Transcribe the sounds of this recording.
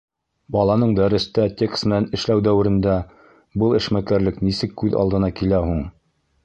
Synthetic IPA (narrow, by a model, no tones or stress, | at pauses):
bɑlˠɑnɤɴd̪æɾɘ̆st̪æt̪ʲekst̪mɘ̆nænɘ̆ʃlæwd̪æwɘ̆ɾɘ̆nd̪æ | bɤlˠɘ̆ʃmækæɾlɘknisɘkːʉðɑ̰ld̪ɤ̆nɑkilæɦuɴ